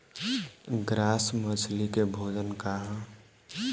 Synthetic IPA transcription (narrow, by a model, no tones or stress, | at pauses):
ɡɾaːsmət͡ʃʰlikebʱoːd͡ʒənkaɦã